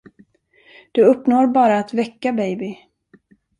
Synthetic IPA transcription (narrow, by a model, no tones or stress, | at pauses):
d̪̥ɵɵpːnoːɾbɑːɾaːt̪vɛkːabɛjbɪ